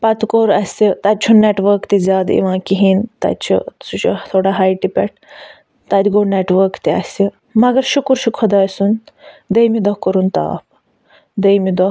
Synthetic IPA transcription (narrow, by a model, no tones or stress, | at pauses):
pɐt̪koːɾɐsit̪ɐt̪̚t͡ʃʰunneʈʋəɾkt̪izʲjaːd̪ḭʋãːkiɦint̪ɐ̰t͡ʃʰḭsut͡ʃʰut̪ʰoːɽaɦajʈipɛ̰ʈ̚ʰ | t̪ɐd̪ɡoːɾneʈʋəːɾkt̪iɐ̰si | mɐɡɐɾʃukuɾʃukʰɐd̪aːsun | d̪ejmid̪ɔhkəɾunt̪a̰ːp̚ | d̪ejmid̪ɔɦ